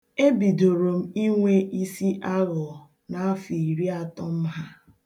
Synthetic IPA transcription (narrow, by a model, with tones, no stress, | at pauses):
e˦bi˨do˨ɾo˨m̩˦i˦ŋʷe˦ʔi˦si˦ʔa˦ɣɔ˨ | na˨a˦fi˨ɾi˦a˨tɔ˦m̩˦ɦa˦